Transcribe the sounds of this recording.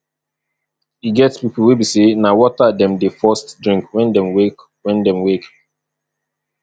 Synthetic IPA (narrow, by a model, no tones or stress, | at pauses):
iɡɛtspipl̩webisenawɔtadɛ̃mdefɔstdɹĩŋkwɛ̃ndɛ̃mwek | wɛ̃ndɛ̃mwek